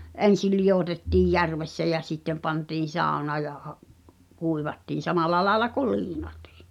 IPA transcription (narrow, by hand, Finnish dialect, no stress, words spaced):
ʔen̞sil̆ lij̆otetːiˑj jærʋesːæ jæ sitːem̆ pɑntiːn̞ sɑˑu̞nɑː jɑ hɑʔ kuiʋɑtːiːn̞ sɑmɑlɑ lɑelɑ kul liːnɑti̥ː